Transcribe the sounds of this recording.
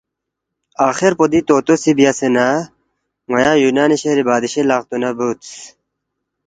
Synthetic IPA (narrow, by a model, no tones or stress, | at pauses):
aːxeɾpod̪it̪oːt̪osibijasena | mɐjãːjuːnaːniɕeɾibaːd̪iɕelaːqt̪unɐbut̪s